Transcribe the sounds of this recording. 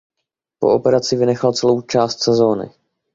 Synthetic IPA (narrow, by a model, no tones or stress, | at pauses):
po̞̰ʔopɛɾat͡sɪvɪnɛxalt͡sɛlo̞wt͡ʃaːst̪sɛzo̞ːnɪ̰